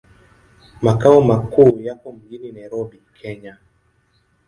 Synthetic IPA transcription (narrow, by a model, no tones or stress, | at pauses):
makaɔmakuːjakɔm̩ɡininajiɾɔbikʰɛɲa